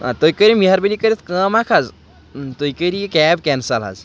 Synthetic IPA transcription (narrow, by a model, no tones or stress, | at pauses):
a̰t̪ojkəɾimiɦaɾbelikəɾet̪ʰkəmakʰad͡z | t̪ojkəɾikɛbkɛnsala̰z